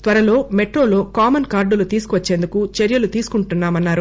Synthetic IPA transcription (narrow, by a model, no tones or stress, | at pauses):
t̪ʋɐɾɐlo̞ːmeʈɾo̞ːlo̞ːkaːmɐnkaːɾɖulut̪iːsu̥kuʋɐt͡ʃːe̞ːnd̪ukut͡ʃeɾjɐlut̪iːsu̥kuɳʈunːaːmɐnːaːɾu